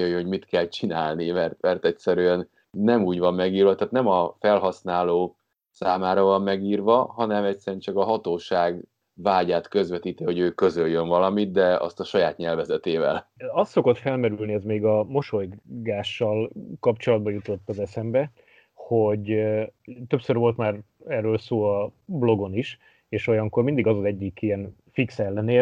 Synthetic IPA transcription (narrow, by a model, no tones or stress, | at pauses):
jøjøɦoɟmit̪kɛlt͡ʃinaːlnimɛrt̪mɛrt̪ɛcsɛɾyɛnː | ɛmuːɟvɒmːɛɡiːrvɒt̪aːt̪nɛmɒfɛlɦɒsnaːloː | saːmaːɾɒvɒmːɛɡiːrvɒɦɒnɛmɛcsɛɾɛnt͡ʃɒkɒɦɒt̪oːʃaːɡ | vaːɟaːt̪køzvɛt̪iːt̪iho̞ɟøːkø̞zøljøɱvɒlɒmit̪d̪ɛɒ̰st̪ɒʃɒjaːt̪ɲɛlvɛzɛt̪eːvɛ̰lɒst̪so̞ko̞t̪fɛlmɛɾylniɛzmeːɡɒmo̞ʃo̞jɡaːʃːɒlkɒpt͡ʃo̞lɒd̪̚bɒjut̪o̞t̪ːɒzɛsɛmbɛ | ho̞ɟ | t̪ø̞psørvo̞lt̪maːrɛrːøːlsoːɒblo̞ɡo̞niʃ | eːʃo̞jɒŋkormind̪iɡɒzɒzɛɟːikijɛn | fiksɛlːɛneː